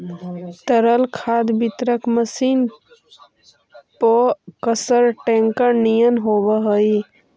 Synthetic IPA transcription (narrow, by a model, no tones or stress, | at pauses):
t̪əɾəlkʰad̪bit̪ɾəkməsiːn | pəkəsəɾʈẽŋkəɾnijənɦobəɦəi